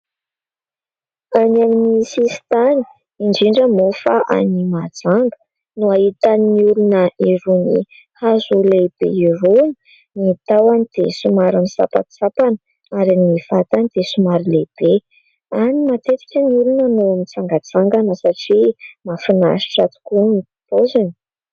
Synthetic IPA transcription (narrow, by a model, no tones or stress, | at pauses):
aniaminisist̪ani̥ | iɳɖ͡ʐiɳɖ͡ʐəmofaʔa̰nimad͡zaŋɡə̥ | nuaɦit̪aniniulunəeɾunḭ | hazuleb̥ḛiɾoni̥ | nit̪awanid̪̥ḛsumaɾamisa̰pa̰t̪sapanə | aɾiniv̥at̪anid̪̥esumaɾileb̥e | animat̪et͡si̥kʲəniulunanoamit͡saŋɡat͡saŋɡanəsaʈ͡ʂimafina̰ʃi̥ʈ͡ʂat̪u̥kunipi̥pozan̥